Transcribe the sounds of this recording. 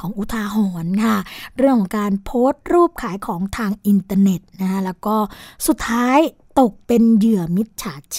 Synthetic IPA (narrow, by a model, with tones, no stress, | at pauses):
kʰɔː˩˦ŋʔu˨˩t̪ʰaː˧ɦɔː˨˩nkʰa˥˩ɾɯ˩əŋkʰɔː˩˦ŋkaː˧npʰoː˦˥st̪̚ɾuː˥˩p̚kʰaː˩˦jkʰɔː˩˦ŋt̪ʰaː˧ŋʔi˧nt̪aː˧ne˨˩t̪̚na˦˥kʰa˦˥lɛː˦˥wkɔː˥˩su˨˩t̪ʰːaː˦˥jt̪o˨˩k̚pe˧njɯ˨˩əmi˦˥t̪̚t͡ɕʰaː˨˩˦t͡ɕʰ